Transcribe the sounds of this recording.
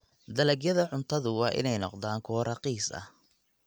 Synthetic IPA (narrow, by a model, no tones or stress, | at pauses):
d̪ɐlɐɡjɐðɐʕʊnt̪ʰɐðʊwɑːʔɪ̰nɛjnɔqd̪aːŋkʰɔːɾʔɐqiːsɐ̰h